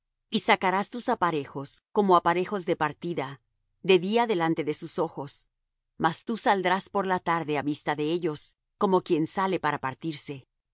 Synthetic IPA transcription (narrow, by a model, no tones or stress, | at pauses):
isakaɾast̪usapaɾe̞xo̞sko̞moapaɾe̞xo̞zðepaɾt̪iða | ðe̞ðiaðe̞lant̪e̞ðe̞suso̞xo̞s | mast̪usald̪ɾaspo̞ɾlat̪aɾðe̞aβist̪aðe̞eʝo̞s | ko̞mo̞kje̞nsale̞paɾapaɾt̪iɾse̞